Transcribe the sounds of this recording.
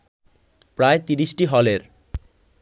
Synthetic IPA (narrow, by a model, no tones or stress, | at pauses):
pɾaet̪iɾiʃʈiɦɔleɾ